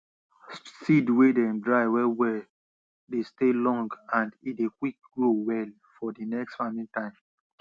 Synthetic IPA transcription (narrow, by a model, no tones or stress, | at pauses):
sidwedɛ̃mdɹaɪwɛwɛ | destelɔ̃ŋɡãndidekwik̚ɡɹowɛl | fɔdinɛkstfamĩntãɪ̃m